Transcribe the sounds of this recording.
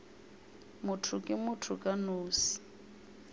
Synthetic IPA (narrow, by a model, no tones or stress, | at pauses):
mʊtʰʊkʼɪmʊtʰʊkʼanoːsi̥